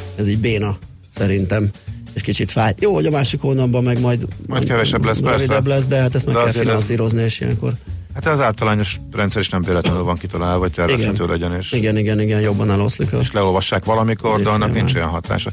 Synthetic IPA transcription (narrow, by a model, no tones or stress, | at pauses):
ɛziːɟbeːnɒ | sɛɾint̪ɛmeʃkit͡ʃit̪faːjjoːo̞ɟɒmaːʃikhoːnɒlbɒmːɛɡmɒjd̪mɒjtkɛvɛɛblɛsrpɛvid̪ɛblɛs̬d̪ɛɦat̪ɛst̪mɛ̰dɛfinɒnsiːɾo̞znieːʃijɛ̰ŋko̞̰rhat̪ɛɒzaːlt̪ɒlaːɲo̞ʃ | rɛnt̪sɛɾeʃnɛmveːlɛt̪lɛnylvɒŋkit̪ɒlaːlvɒoc̚t̪ɛɾiɛɡɛɛnt̪øːlʔɛɟɛneːʃiɡɛniɡɛniɡɛnjo̞bːɒnɛlo̞̰slikeʃlɛolvɒʃːaːkʋɒlɒmikord̪onɒknint͡ʃojɛ̰nɦɒt̪a̰ːʃɒ